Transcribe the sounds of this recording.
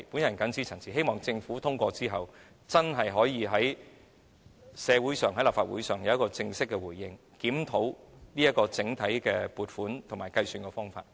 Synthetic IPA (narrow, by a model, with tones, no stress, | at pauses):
pu˨˥njɐ˨˩nkɐ˨˥nt͡siː˧˥t͡sʰɐ˨˩nsʰiː˨˩ɦe˥jmɔː˨˩ŋt͡sɪ˧ŋfuː˨˥t̪ʰʊ˥ŋkʷɔː˧t͡siː˥ɦɐ˨w | t͡sɐ˥nɦɐ˨jɦɔː˨˥jiː˨˧ɦɐ˨˥j | sɛː˨˧wuː˨˥jsœː˨˩ŋɦɐ˨˥jlaː˨˩faː˧t̚wṵː˨˥jsœː˨ŋjɐ˨˦wjɐ˥kɔː˧t͡sɪ˧ŋsɪ˥kːɛ˧wuː˨˩jːɪ˧ŋ | kiː˨˥mt̪ʰo˨˧˥wniː˥ɐ˥kːɔː˧t͡sɪ˨˥ŋt̪ʰɐ˨˥jkɛː˧puː˨t̚fuː˨˥nt̪ʰʊ˨˩maː˨˩jkɐ˧jsyː˧nkɛː˧fɔː˥ŋfa̰ː˧t̚